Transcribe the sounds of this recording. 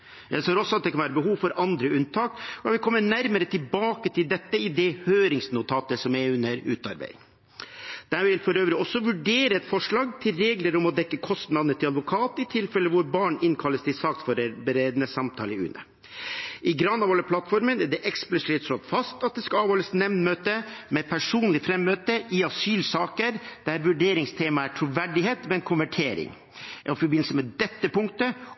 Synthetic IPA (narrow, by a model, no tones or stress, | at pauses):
jæ̰ɪsøːɾɔsːɔɑt̪̚d̪ɛkʰɑnʋæːɾəbəɦuːʋfɔɾɑnd̪ɾəʉnt̪ʰɑːkɔɑt̪ʋɪlkʰɔmːənæɾməɾət̪ʰɪlbɑːkət̪ʰɪld̪ɛt̪ːəɪd̪ɛhøːɾɪŋsnʊt̪ʰɑːt̪əsɔmɛʉnːəɾʉ̰ːt̪ɑ̰ɾbæ̰ɪɪ̰ŋ | d̪̥æːɾʋɪlfɔɾøːʋɾɪɔsːɔʋʉɖeːɾəɛt̪fɔʂɭɑːɡt̪ʰɪlɾeːɡləɾʊmɔd̪ɛkːəkʰɔst̪nɑd̪nət̪ʰɪlɑd̪ʋʊkʰɑːt̪ɪt̪ʰɪlfɛlːəʋʊɾbɑːɳɪnkʰɑlːəst̪ʰɪsɑkt̪fɔɾbəɾeːd̪nəsɑmt̪ʰɑ̰ːlɪʉ̰ːnə̰ | ʔɪɡɾɑnːɑʋhɔləpʰlɑt̪fɔɾmənæɖɛʔɛksplɪsɪːt̪sɾɔt̪fɑst̪ɑt̪̚d̪ɛskɑɑːʋhɔləsnɛmnmøːt̪əmɛpʰæʂuːnlɪfɾɛmːøːt̪əʔɪɑsyːlsɑːkəɾd̪̥æɾʋʉɖeːɾɪŋst̪ʰeːmɑæʈʰɾuʋæɖɪheːt̪mɛnkʰʊmʋæʈʰeːɾɪ̰ŋ | ʔɔfɔɾbɪnːl̩səmɛd̪ɛt̪ːəpʊŋkt̪ə